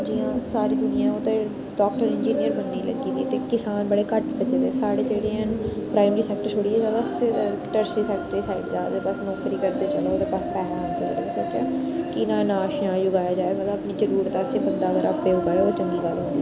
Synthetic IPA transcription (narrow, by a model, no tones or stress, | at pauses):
d͡ʒiːãːsaːɾiːd̪ʊnɪjãːoːt̪eː | ɖɔːk̚ʈəɾɪnd͡ʒiːnɪjəɾbənːiːlə̰ɡiːt̪ḭːt̪eːkɪsaːnbəɽeːkəʈbət͡ʃeːt̪eːsaːɽeːd͡ʒeːɽeːɦənpɾaːɪməɾiːsɛːk̚ʈəɾt͡ʃʰʊɽiːed͡ʒaːbəs | ʈəɾsɾiːsəkd̪eːsaːɪʈd͡ʒaːd̪eːbəsnɔːkɾiːkəɾd̪eːt͡ʃəloːoːd̪eːpəspɛːɾaːnd̪elə̰ɡniːsoːt͡ʃɛ̰ː | kɪnãːnãːʃjãːjʊɡaːjaːd͡ʒaːeːmət̪ləəpniːzəɾuːɾt̪ːsĩːbənd̪aːəɡəɾəpːeːʊɡaːeoːt͡ʃəŋɡiːɡalõːd̪iː